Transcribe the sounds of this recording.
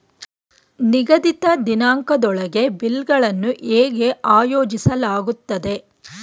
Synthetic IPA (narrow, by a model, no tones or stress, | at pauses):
niɡɐd̪it̪ɐd̪inaːŋkɐd̪ɔɭɐɡe̞bilɡɐɭɐnːuʔeːɡe̞ʔaːjoːd͡ʒisɐlaːɡut̪ːɐd̪e̞